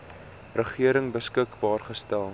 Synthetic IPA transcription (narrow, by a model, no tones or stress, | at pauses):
rəχiəɾəŋbəskəkbɑːrχəstælˠ